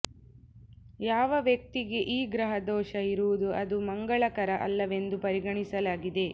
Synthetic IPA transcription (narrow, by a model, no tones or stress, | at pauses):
jaːʋɐʋjɐk̚t̪iɡe̞ʔiːɡɾɐɦɐd̪ɔːʃɐiɾuʋud̪uɐd̪umɐŋɡɐɭɐkɐɾɐʔɐ̰lːɐʋe̞nd̪upɐɾiɡɐɳisɐlaːɡid̪e̞